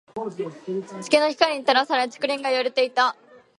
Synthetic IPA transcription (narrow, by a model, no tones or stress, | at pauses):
t͡ɕi̥kʲeno̞çi̥kaɾiɲ̟it̪aɾasaɾet͡sɨ̥kɯ̟ɾʲĩŋɡajoɾet̪e̞it̪a